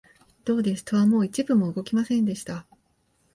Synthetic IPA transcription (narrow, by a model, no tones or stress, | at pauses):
d̪̥o̞ːd̪e̞sɨ̥t̪oβamo̞ːit͡ɕibɯ̟mo̞ɯ̟ɡo̞kʲimasẽ̞nd̪e̞ɕi̥t̪a